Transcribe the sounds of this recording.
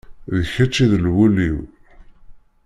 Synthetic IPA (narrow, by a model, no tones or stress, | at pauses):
ðəçæt͡ʃːiðəlwuliw